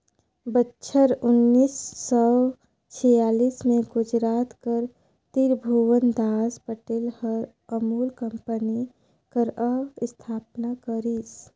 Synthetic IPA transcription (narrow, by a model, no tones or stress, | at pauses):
bətːʃʰəɾʊnːiːsːɔ | t͡ʃʰijaːliːsmẽɡʊd͡ʒɾaːt̪kəɾ | t̪iɾbʱuʋənd̪aːspəʈeːlhəɾ | əmuːlkə̃mpəni | kəɾəst̪ʰaːpnakəɾis